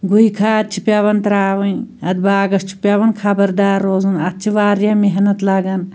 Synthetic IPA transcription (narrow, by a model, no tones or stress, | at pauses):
ɡujkʰaːt̪̚t͡ʃʰi̥pjaːʋɐnt̪ɾaːʋɐnɐd̪baːɡɐst͡ʃʰu̥pʲaːʋɐnkʰɐbɐɾd̪aːɾːoːzunɐt̪̚t͡ʃʰiʋaːɾjameɦnɐt̪lɐɡɐn